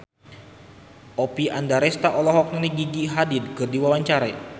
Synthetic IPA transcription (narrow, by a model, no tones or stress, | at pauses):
ʔɔpiandaɾɛst̪aʔɔlɔɦɔkŋniɡiɡiɦadid̪̚kɨrdiwawaɲt͡ʃaɾai